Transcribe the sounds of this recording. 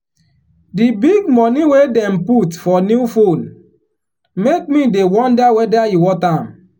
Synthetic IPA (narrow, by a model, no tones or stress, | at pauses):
dibiɡmɔniwedɛ̃mputfɔnjuufõn | mek̚midewɔ̃ndawɛdajiwɔtam